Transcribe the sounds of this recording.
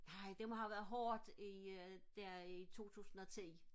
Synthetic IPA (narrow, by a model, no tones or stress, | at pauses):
nɑ̈ɪd̥emɦɑ̈ʋæːɐð̩ˠɦɒːd̥id̥æɐit͡sʰo̝̰ːt͡sʰṵːsn̩ɒ̽t͡sʰḭː